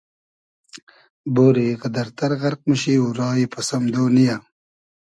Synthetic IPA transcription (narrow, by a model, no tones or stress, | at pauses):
boːɾiqɐd̪ɐɾt̪ɐɾɣɐɾq̚məɕiːuɾɑːipɐsɐmd̪oːnija